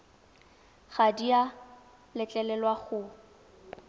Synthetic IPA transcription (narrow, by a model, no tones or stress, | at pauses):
ɣadia | lɪt͡ɬʼɛlɛlwaɣʊ